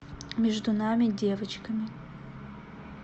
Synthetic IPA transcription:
mʲɛʐd̪unamʲɪdʲevɐt͡ʃkɐmʲɪ

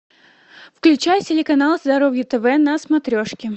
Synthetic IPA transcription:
fklʲʉt͡ɕajtʲɪlʲɪkɐnalˠzd̪ɐɾovjət̪ɛvɛnɐsmɐt̪ɾʲoʂkʲɪ

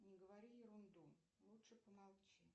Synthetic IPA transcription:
nʲɪɡəvaɾʲijɪɾʊnd̪u | lˠutʂɨpəmalˠt͡ɕɛ

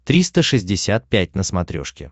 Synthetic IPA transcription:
t̪ɾʲist̪əʂɨzʲdʲɪsʲat̪̚pʲæt̚ʲnəsmɐt̪ɾʲo̰ʂkʲɪ̰

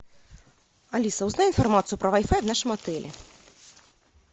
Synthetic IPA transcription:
alʲisɐwznajinfarmat̪sɨjupɾɐvajfajwnaʂɨmat̪ɛlʲʔɛ̰

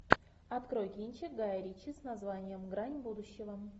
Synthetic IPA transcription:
ɐt̪kɾojkʲinʲt͡ɕɪɡajɾʲit͡ɕisnazvanʲɪjəmɡɾanʲbud̪ʊɕːɪvə

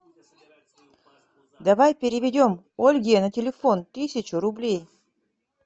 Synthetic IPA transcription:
d̪ɐvajpʲɪɾʲɪvʲɪdʲo̞m | olʲɡʲenɐtʲɪlʲɪfont̪ɨsʲɪt͡ɕʊɾʊblʲej

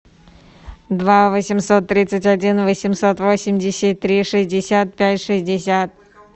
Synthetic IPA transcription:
d̪vavəsʲɪmso̞t̪ːɾʲit̪sɨtʲɐdʲinvəsʲɪmsot̪vo̞sʲɪmʲdʲɪsʲɪt̚ʲt̪ɾʲiʂɨzʲdʲɪsʲat̪̚pʲætʲʂɨzʲdʲɪsʲat̪̚

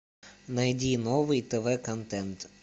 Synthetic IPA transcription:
nɐjdʲinovɨjt̪ɛvɛkɐnt̪ɛnt̪

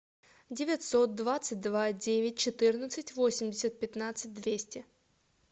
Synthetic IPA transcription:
dʲɪvʲɪt̪sot̪̚d̪vat̪sɨt̚ʲd̪vadʲevʲɪt̚ʲt͡ɕɪt̪ɨrnət̪sɨtʲvosʲɪmʲdʲɪsʲət̪̚pʲɪt̪nat̪sɨt̚ʲd̪vʲesʲtʲɪ

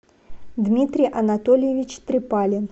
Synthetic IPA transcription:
d̪mʲit̪ɾʲɪjʔɐnɐt̪olʲɪjɪvʲit͡ɕt̪ɾʲɪpalʲɪn

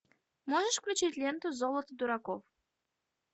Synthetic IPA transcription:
moʐəʂfklʲut͡ɕitʲlʲent̪ʊzolˠət̪əd̪uɾakof

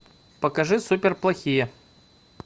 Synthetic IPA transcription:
pəkɐʐɨsupʲɪrplˠɐxʲijə

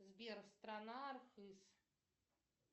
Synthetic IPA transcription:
zbʲɛrst̪ɾanaːrxɨs

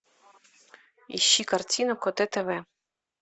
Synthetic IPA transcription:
ḭɕːikartʲinʊkɔt̪ɛt̪ɛvɛ

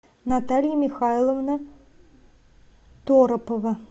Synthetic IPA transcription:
nat̪alʲjəmʲɪxajlˠəvnə | t̪oɾəpəvɐ

